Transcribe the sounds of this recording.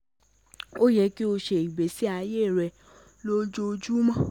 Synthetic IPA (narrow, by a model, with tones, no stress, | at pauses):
o˦jɛ˧˦ki˦o˧ʃe˨i˨be˨si˦a˧je˦˨ɾɛ˧ | lo˦d͡ʒo˦˧d͡ʒu˦mã˦